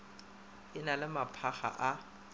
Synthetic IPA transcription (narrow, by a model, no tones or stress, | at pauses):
ɪnalɪmapʰaχa̰ʔa